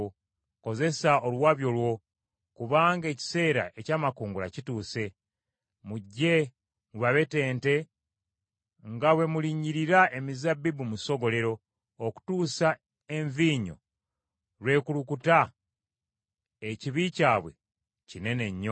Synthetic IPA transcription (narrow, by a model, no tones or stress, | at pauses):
ko̞ze̞saolwaːβjo̞lwo̞ | kuβaːŋɡe̞ci̥se̞ːɾa̰ʔe̞caːmakuːŋɡula̰cituːse̞ | muɟːe̞ | muβaβe̞te̞ːnte̞ | ŋɡawe̞muliːɲiɾiɾaemizabːibumuso̞ɡo̞le̞ɾo̞ | oku̥tuːsa | e̞ɱviːɲo̞̰ | lwe̞ːkulukuta | eciβicaːβwe̞̰ | cine̞ne̞ɲːo